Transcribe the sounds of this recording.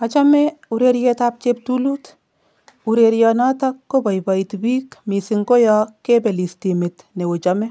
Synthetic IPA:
ɔt͡ʃɔmeuɾeɾjetap̚t͡ʃep̚tuluːt | uɾeɾjɔnɔtɔkːopɔjpɔitbiːkmisiŋkojɔkepelistimet | newot͡ʃɔmɛ

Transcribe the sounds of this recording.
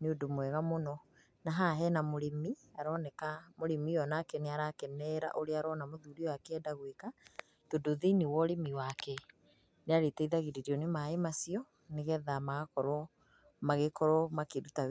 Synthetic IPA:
neodomwɛɣamonɔ | naɦaɦɛnamoɾemiaɾɔːnɛkamoɾemijɔnakɛneaɾakɛnɛɾa̰ʔoɾeaɾɔnamoðuɾiɔwakeɛdaɣweka | todoðenewɔɾemiwakɛ | neaɾetɛiðaɣeɾeɾiɔnemaemasiɔ | neɣɛðamaɣakɔɾɔ | maɣekɔɾɔmakeɾuta

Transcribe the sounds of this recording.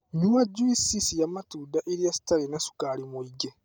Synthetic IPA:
ɲuaɟuisisijamatuːdaʔeɾijasi̥talenasu̥kalimuiɡe

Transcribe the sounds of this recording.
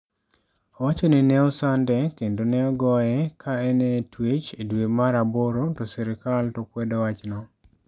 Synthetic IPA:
ɔwat͡ʃonɪnɛɔsandɛkendonɛɔɡɔjɛkʰaɛnɛtwet͡ʃedwemaɾaboɾotɔsɛɾɪkaltɔkwɛdɔwat͡ʃnɔ

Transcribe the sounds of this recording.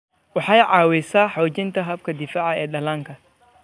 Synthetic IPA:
wɑħɑjʕɑːwɛsaːħɔːt͡ʃɪnt̪ʰɐɦɐb̚kʰɐd̪ɪfaːʕɑɛːɖɐlaːŋkʰɐ

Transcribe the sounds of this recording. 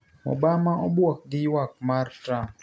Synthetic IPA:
mɔ̰bamaʔɔbwɔk̚ɡɪwak̚martɾam

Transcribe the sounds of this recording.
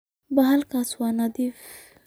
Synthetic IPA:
baɦalkaswanad̪if

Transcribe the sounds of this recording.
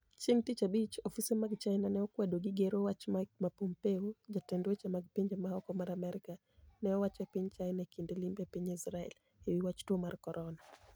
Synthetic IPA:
t͡ʃiŋt̪it͡ʃabit͡ʃɔfisɛmaɡt͡ʃajnanɛɔkwɛdoɡiɡeɾowat͡ʃmamapompeud͡ʒatɛndwet͡ʃamaɡpeɲd͡ʒamahɔkɔmaɾamɛɾika | nɛɔwat͡ʃwapiɲt͡ʃajnakindɛlimbjapiɲisɾaɛ̰l | hewiwat͡ʃtuɔmarkɔɾʔɔna

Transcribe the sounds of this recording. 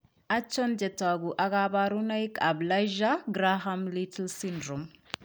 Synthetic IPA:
at͡ʃːɔnd͡ʒɛtaɡuʔaɡabaɾunaikablajʒaɡɾaɦamlitlsindɾom

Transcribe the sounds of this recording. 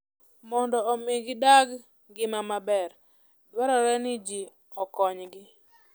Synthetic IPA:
mɔndɔːmɪɡdaɡ | ɡɪmamabɛr | dwaɾɔɾɛnɪd͡ʒi | ɔkɔɲɡɪ

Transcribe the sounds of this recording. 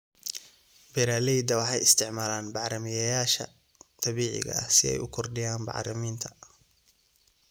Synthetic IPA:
bɪɾaːlɛjd̪ɐwɑħɑjɪst̪ʰɪʕmaːlaːnbɑʕɾɐmɪjɐjaːʃɐ̰ | t̪ʰɑβiːʕɪ̰ɣɐ̰ɐhsɪɛ̰jʊ̰kʰɔrɖɪjaːnbɑ̰ʕɾɐmiːnt̪ʰɐ̥

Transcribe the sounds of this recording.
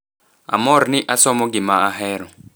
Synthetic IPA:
a̰mɔɾnɪʔasɔmɔɡɪmaaɦɛɾɔ

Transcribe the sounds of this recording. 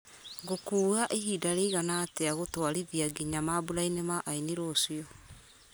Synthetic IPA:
ɣokuːɣaʔeɦidaɾeiɣanaːteaɣotwaɾiðjaɡiɲamabuɾainemaʔainiɾoːsiɔ

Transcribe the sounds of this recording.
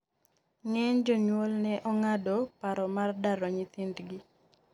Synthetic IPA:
ŋɛɲd͡ʒɔɲwolnɛʔɔŋadopaɾɔmardaɾɔɲɪt̪indɡi

